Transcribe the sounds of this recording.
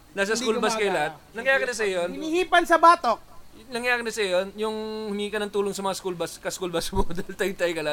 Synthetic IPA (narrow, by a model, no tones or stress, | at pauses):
naːs̬ɐkulbɐskɐjlɐhat̪̚nɐŋjaːkɪnːɐs̬ɐjonnihiːpɐnsɐbaːt̪o | nɐŋjaːkɪnɐsɐjonjʊŋhʊmiːkɐnɐŋt̪uːloŋsɐmɐŋaskulbɐskɐskulbɐsbod̪ɐjlt̪ɐjt̪ɐjkɐlat̪̚